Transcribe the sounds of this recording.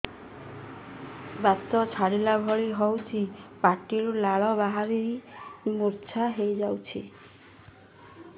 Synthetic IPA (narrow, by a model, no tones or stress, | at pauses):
bat̪ɔt͡ʃʰaɽilabʱɔɭiɦɔwt͡ʃʰipaʈiɾulaɭɔβaɦaɾiɾimuɾt͡ʃʰaɦejd͡ʒawt͡ʃʰi